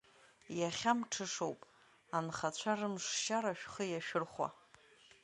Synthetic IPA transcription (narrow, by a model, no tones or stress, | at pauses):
jaχʲamʈ͡ʂʰɨʂowpʼ | anχat͡ɕʷʰarɨmʂʃaɾaʃᶣχəjaʃᶣɪrχʷa̰